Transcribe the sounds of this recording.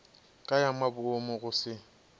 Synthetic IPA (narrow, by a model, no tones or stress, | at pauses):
kʼajamabʊomʊɣʊsɪ